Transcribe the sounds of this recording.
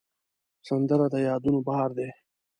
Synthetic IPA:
sand̪əɾad̪əjɑːd̪unobahɑɾd̪eː

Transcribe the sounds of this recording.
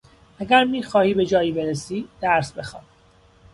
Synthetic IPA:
æɡʲæɾmiːxɒːhiːbe̞d͡ʒɒːjiːbeɾesiːd̪̥æɾsbe̞xɒːn

